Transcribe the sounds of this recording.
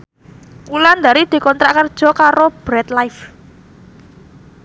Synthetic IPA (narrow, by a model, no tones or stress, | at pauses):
kuland̪aɾid̪̥i̤kɔnt̪ɾaʔkərd̥ʒ̥ɔ̤kaɾob̥ɾɛt̪lajf